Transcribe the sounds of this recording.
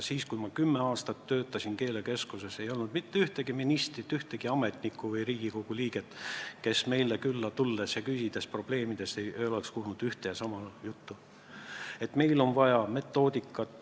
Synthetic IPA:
siːskujmɑkymːe̞ɑːst̪ɑt̪ːø̞ːt̪ːˑɑsinke̞ːleke̞skuse̞se̞jo̞lnud̪mit̪ːeyht̪e̞ɡ̥iminist̪rit̪ːyht̪e̞ɡ̥iɑme̞t̪nikːˑuvɤjriːɡ̥iko̞ɡ̥uliːɡ̥e̞t̪ːˑke̞sme̞jlːekylːɑt̪ulːesjɑkysʲid̪̥e̞spro̞b̥le̞ːmid̪̥e̞sejo̞lekskuːlnud̪̥yht̪e̞jɑsɑmɑjut̪ːu | e̞t̪ːme̞jlo̞nvɑjɑme̞t̪ːo̞ːd̪̥ikːˑɑt̪

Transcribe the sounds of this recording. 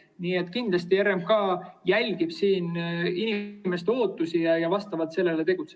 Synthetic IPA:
niːe̞t̪ːˑkind̪̥lɑst̪ieɾemkɑːjælʲɡ̥ib̥siːninime̞st̪eo̞ːt̪ːˑusijɑjɑvɑst̪ɑvɑt̪se̞lːelet̪e̞ɡ̥ut̪se

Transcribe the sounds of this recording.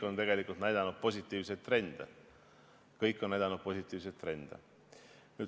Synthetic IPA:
o̞nt̪e̞ɡ̥e̞likːˑult̪næjd̪ɑnut̪̚po̞s̬ʲit̪ːˑiːvset̪ːre̞nd̪̥ḛ | kɤjkːˑonnːæjd̪ɑnud̪̚po̞sʲit̪ːˑiːvset̪ːre̞nd̪̥ɑ̰ | nyː

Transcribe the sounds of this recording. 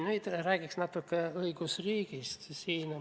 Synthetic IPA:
nyit̪ræːɡ̥iksnɑt̪ːukːɑɤiɡusriːkist̪siːn

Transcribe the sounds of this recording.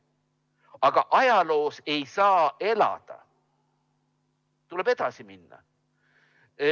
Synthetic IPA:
ɑɡ̥ɑʔɑjɑlo̞ːse̞jsɑːe̞lɑ̰d̪̥ɑ̰ | t̪ule̞b̥e̞d̪̥ɑsiminːɑ̰

